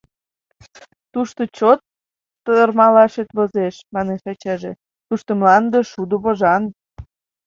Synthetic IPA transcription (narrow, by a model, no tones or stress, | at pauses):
t̪uʃt̪ot͡ɕot̪ː | ərmɑlɑʃet̪βozeʃmɑneʃɑt͡ɕɑʒe | t̪uʃt̪ə̆mlɑnd̪ə̆ʃud̪uβoʒɑn